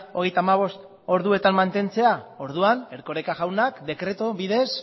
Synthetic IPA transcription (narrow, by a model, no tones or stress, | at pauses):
o̞ɣe̞jt̪aːmaβ̞o̞st̪ | o̞ɾðue̞t̪ammant̪e̞nt͡se̞ao̞ɾð̞uane̞ɾko̞ɾekaɣawnakd̪e̞kɾe̞t̪oβiðe̞s